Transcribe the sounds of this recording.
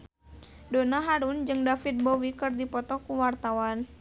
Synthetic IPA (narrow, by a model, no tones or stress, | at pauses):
donaɦaɾund͡ʒɨŋdafit̪̚bowikɨrdipɔt̪ɔkuwart̪awan